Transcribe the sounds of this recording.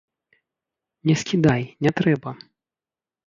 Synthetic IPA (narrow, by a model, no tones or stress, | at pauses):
nʲɛskʲid̪ajnʲɛt̪ɾɛbɐ